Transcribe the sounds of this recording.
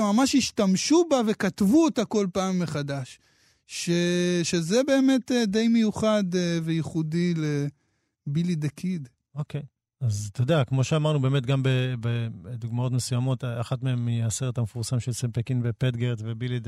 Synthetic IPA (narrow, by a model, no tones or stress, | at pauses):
mamaʃiʃtamʃubave̞kat̪vuotako̞lpaːmːeχadaʃ | ʃeʃezebe̞ːme̞tede̞jmejuχad̪eve̞jiχudile | bilid̪ekʰid̪ | okej | azt̪od̪eakmo̞ʃeamaʁnube̞ːmetɡambebed̪uɡmao̞t̬mesujamo̞taχatmeemaseʁethamefuʁsamʃelsempekinbepedɡeʁtvebilid